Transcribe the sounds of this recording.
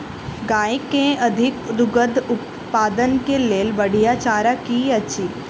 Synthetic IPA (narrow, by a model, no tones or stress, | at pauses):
ɡaːekːeɐd̪ʱɪkd̪ʊɡəd̪ʱʊp | paːd̪ənkeleːlbəɽ̤ijat͡ʃaːɾakiɐt͡ʃʰi